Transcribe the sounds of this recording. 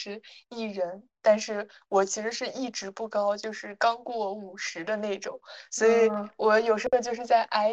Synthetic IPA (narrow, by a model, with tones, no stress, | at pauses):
ɻ̩˧˥i˥˩ɻə˧˥nt̪a˥˧nʂɻ̩˥˩ | wɔ˨˩t͡ɕʰi˧˥ʂɻ̩˧˥ʂɻ̩˥˧i˥˩ʈ͡ʂɻ̩˧˥pu˥˩kɑ˥ʊt͡ɕjo˥˧ʊʂɻ̩˥˩kɑ˥ŋkwɔ˥˩u˨˩ʂɻ̩˧˥d̪ə˧ne˥˩ɪʈ͡ʂʊ˨˩˦ŋswɔ˧˥i˨˩˦wɔ˧˩˥jo˨˩ʊʂ̩˧˥xo˧t͡ɕjo˥˧ʊʂɻ̩˥˧t͡sa˥˩ɪʔa˥ɪ